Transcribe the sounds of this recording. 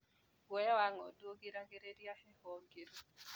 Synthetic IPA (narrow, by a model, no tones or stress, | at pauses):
wɛwaŋɔdwoɡiɾaɡiɾediahɛhɔɡiɾu